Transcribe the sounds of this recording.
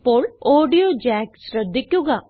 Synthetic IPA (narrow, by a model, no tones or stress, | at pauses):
poːloːɖijoːd͡ʒɛːksɾəd̪ɪkːjuːɡaː